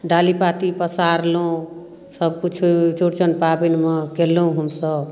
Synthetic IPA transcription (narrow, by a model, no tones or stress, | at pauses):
ɖalipat̪ipəsaɾloũ | səbkut͡ʃʰut͡ʃuɾt͡ʃənpabinmʌkelːũɦəmsəb